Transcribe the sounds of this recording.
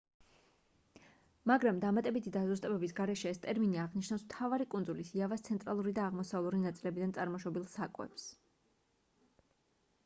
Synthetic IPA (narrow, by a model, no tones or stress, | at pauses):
maɡɾamd̪amat̪ʼɛbit̪ʰid̪azust̪ʼɛbɛbisɡaɾɛʃɛːst̪ʼɛɾminiaʁniʃnafsmt̪ʰavaɾikʼund̪zulisiavast̪sʰɛnt̪ʼɾalˠuɾid̪aːʁmɔsavlˠuɾinat̪sʼilɛbid̪ant̪sʼaɾmɔʃɔbilˠsakʼwɛ̰ps